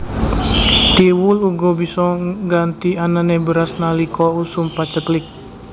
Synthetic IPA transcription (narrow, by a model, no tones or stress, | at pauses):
t̪iwʊluɡobisɔɡant̪iananebəɾasnalikɔusumpat͡ʃəklɪk̚